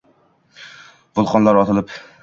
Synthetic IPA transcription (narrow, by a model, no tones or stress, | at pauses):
vʊlˠqʰɒnlaɾɒt̪ʰɪlɪp